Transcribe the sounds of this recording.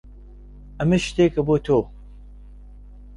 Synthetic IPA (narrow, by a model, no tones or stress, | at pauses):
ɐmɐʃt̪eːkʰɐboːt̪ʰoː